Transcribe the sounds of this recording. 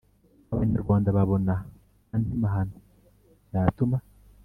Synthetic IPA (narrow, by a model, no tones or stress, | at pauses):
aβaɲaɾɡwaːndaβaβo̞na | andimaɦano | datuma